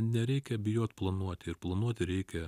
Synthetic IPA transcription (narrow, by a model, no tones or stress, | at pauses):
nʲɛɾʲɛɪkʲɛbʲɪjoːt̪plˠɐnuɔt̪ʲɪɪɾplˠɐnuɔt̪ʲɪɾʲɛɪkʲɛ